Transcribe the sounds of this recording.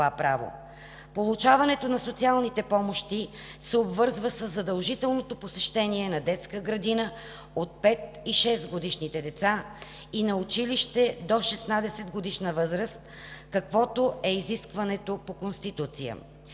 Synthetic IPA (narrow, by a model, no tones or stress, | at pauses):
apɾavo̰ | polˠut͡ʃavɐnɛt̪onɐsot̪sialˠnit̪ɛpɔmoʃt̪i | sɛobvɤɾzvəsəzːɐd̪əlˠʒit̪ɛlˠnot̪oposɛʃt̪ɛniɛnɐd̪ɛt̪skəɡɾɐd̪inə | ot̪̚pɛt̪ | iʃɛst̪ɡod̪iʃnit̪ɛd̪ɛt̪sa | inɐʊt͡ʃiliʃt̪ɛd̪oʃɛsnad̪ɛsɛd̪ɡod̪iʃnəvɤzɾəst̪̚ | kɐkvɔt̪oɛiziskvɐnɛt̪opokonst̪it̪ut̪sijə̰